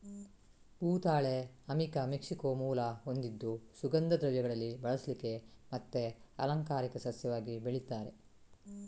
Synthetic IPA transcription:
uːt̪aːɭe | ɐmikɐmikʂikoːmuːlɐɦond̪id̪ːusuɡɐnd̪ɐd̪ɾɐʋjɐɡɐɭɐlːibɐɭɐslike̞mɐt̪ːeɐ̰lɐŋkaːɾikɐsɐsjɐʋaːɡibeɭit̪ːaːɾe̞̰

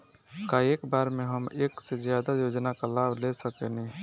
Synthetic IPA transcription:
kaeːkbaːɾmẽɦəmeːksezjaːd̪ajoːd͡ʒnakalaːbʱlesəkenẽ

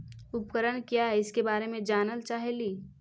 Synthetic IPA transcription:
ʊpkəɾəɽ̃kjaɪskebaːɾemẽd͡ʒaːnəlt͡ʃaːɦeliː

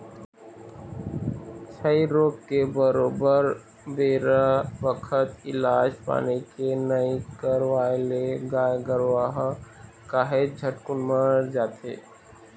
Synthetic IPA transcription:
t͡ʃʰəiɾoːɡ̚kebəɾoːbəɾ | beːɾabəkʰət̪ɪlaːd͡ʒpa̰ːnikenəikəɾʋaːleɡaːjɡəɾʋaːɦ | kaːɦed͡ʒʱəʈkʊnmaɾd͡ʒaːt̪ḛː

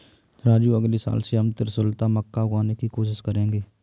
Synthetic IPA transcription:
ɾaːd͡ʒjuəɡlisa̰ːlseɦəmt̪ɪɾsʊːlt̪aməkːaɡaːnekikoːʃ̬ɪʃkəɾẽːŋɡeː

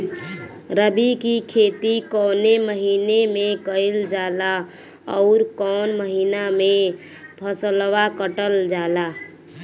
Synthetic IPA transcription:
ɾəbikikʰeːt̪ikɔːneməɦiːnemẽkəɪld͡ʒaːla | ɔːɾkɔːnməɦiːnamẽ | pʰəslwakəʈəld͡ʒaːlaː

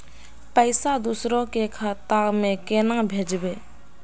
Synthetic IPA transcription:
pɐjsad̪usɾɔkekʰat̪akmekenaŋbʱed͡ʒəbe

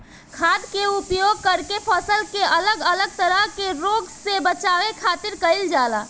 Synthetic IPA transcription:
kʰaːd̪keʊpjoːɡ̚kəɾkepʰəsəlkeʔɐləɡələɡ̚t̪əɾəɦkeɾoːɡsebət͡ʃaːʋekʰaːt̪ɪɾkəɪld͡ʒaːlaː

